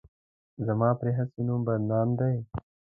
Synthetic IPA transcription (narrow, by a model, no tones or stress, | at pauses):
zɐmaːpɾeɦɐsinũmbɐɾnaːmd̪ɐj